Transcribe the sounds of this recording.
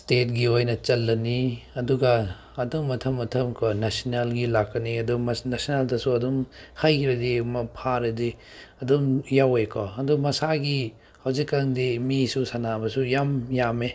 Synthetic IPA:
stet̚ɡiojnɐt͡ʃɐlːɐniɐduɡɐː | dumːɐtʰɐmːɐtʰɐmkʰɔnasinalɡilakːɐniɐdumɐnasineldɐsuɐdumhajkiɾɐdimɐpʰaɾɐdi | ɐdumjawejkʰɔɐdumɐsaɡi | hɐwzikːaŋdimisusanabɐsujamjame

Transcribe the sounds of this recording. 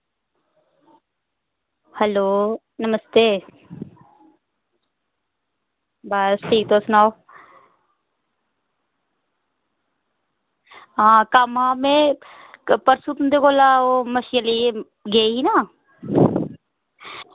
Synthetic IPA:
həloː | nɐməst̪eː | bəsʈʰiːk̚t̪osʊnaːo | ɦãːkamãːmẽ | pəɾsut̪und̪ekoːlaːoməʃjəli | ɡeːɦinaː

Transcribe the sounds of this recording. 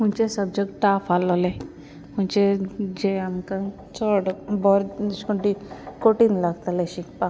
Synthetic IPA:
m̤uɳt͡ɕesəb̚d͡ʑek̚ʈʈafalle | m̤əɳt͡ɕed͡ʑeamkã | t͡sɔɽbɔɾskoɳʈikoʈiːnlaɡt̪aleɕikpa

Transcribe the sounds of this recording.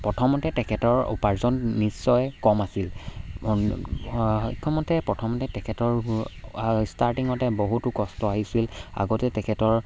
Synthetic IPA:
pɹɔtʰɔmɔtɛtɛkʰɛtɔɹṵpaɹzɔnnisːɔjkɔmasil | ḭkʰɔmɔtɛpɹɔtʰɔmɔtɛtɛkʰɛtɔɹ | staɹtiŋɔtɛboɦutukɔstɔaɦisila̰ɡotɛtɛkʰɛtɔɹ

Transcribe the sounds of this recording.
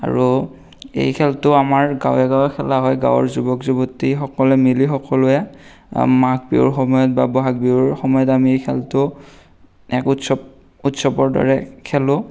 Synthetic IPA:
a̰ɹu | ḛjkʰɛltʊamaɹɡa̰wɛɡawɛkʰɛlaɦɔjɡa̰wɔ̰ɹzubɔkzubɔtixɔkɔlɛmilixɔkɔlʊɛ | makbḭʊ̰ɹxɔmɔjɔt̚babɔɦak̚biʊɹxɔmɔjɔtamiejkʰɛ̰ltʊ | ɛkutsɔb | utsɔbɔɹdɔ̰ɹɛkʰɛlʊ

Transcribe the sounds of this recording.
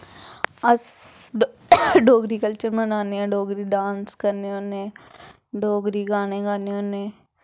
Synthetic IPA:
əs | ɖoːɡɾikəlt͡ʃəɾmənaːneɛːɖoːɡɾiɖãːnskəɾneoːnẽː | ɖʱoːɡɾiɡaːñeɡaːneoːnẽː

